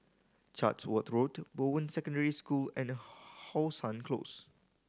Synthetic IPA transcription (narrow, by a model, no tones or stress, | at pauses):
t͡ʃa̰tswət̪ɹotbowə̃nsɛkɔ̃ndəɹiskulɛ̃nhɔlsãnkʰlo̰s